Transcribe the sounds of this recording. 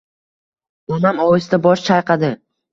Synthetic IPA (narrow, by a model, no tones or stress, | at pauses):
onamɒwɪst̪abɒʃt͡ʃʰajqʰɑd̪ɪ